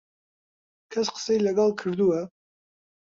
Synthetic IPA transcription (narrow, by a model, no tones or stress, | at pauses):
kʰɐsqə̥sɛjilɐɡɑlˠkʰɨɾd̪uɛ